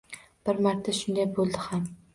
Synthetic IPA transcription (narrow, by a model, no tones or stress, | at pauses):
b̥ɪɾmaɾt̪ʰaʃʊnd̪ajbolˠd̪ɪham